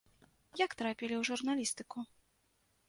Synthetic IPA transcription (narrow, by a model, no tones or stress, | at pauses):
jakt̪ɾapʲilʲiwʐurnalʲist̪ɨku